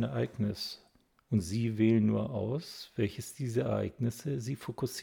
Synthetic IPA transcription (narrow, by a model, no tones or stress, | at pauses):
nɛɐʔa̰ɪɡnɪs | ʊntz̥iːveːlənːṵːɐʔaʊsv̥ɛlçəsd̥iːzɐɛɐʔa̰ɪɡnɪsəziːfokʊs